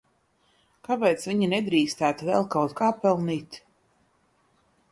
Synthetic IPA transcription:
kapɛjt̪sviɲinɛd̪ɾiːst̪æːt̪vɛ̰lˠkawt̪kaːpɛlˠniːt̪

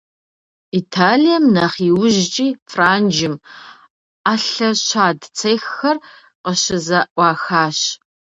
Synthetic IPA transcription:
itʰaːlijɐmnɐχiːwʊʒt͡ʃʼiːfraːnd͡ʒɪm | aːɬɐɕaːdt͡sʰejxːɐr | qəɕɪzɐʔʷɑːxaːɕ

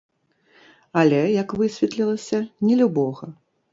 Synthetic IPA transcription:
alʲɛjɐkvɨsʲvʲɛt̪lʲilˠɐsʲɐnʲɛlʲubɔɣɐ

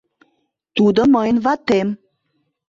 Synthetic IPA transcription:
t̪ud̪əməjnvɑt̪em

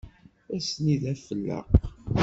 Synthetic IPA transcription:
æsniðæfəlːə̰q

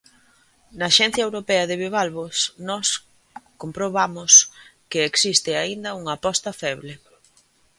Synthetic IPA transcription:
nɐːʃɛn̟θjɐewɾopɛɐðɪβiβ̞alβosnɔs | kompɾoβ̞amoskeːksist̪ɪaind̪ɐuŋɐːpɔst̪ɐfɛβle

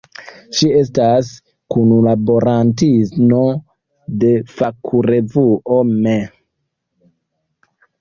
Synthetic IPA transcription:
ʃie̞stas | kunulabo̞ɾantismo | de̞fakʰuɾevuʔome

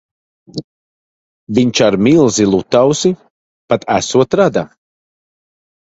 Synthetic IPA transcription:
viɲt͡ʃaɾmilˠzilˠut̪awsi | pat̪ʰæsuɔt̪ɾad̪a

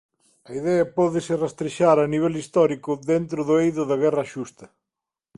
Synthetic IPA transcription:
ɐiðɛɐpɔðɪsɪrast̪ɾeʃaɾɐniβ̞ɛlist̪ɔɾikʊðent̪ɾʊðʊejðʊðɐɣɛraʃust̪ɐ

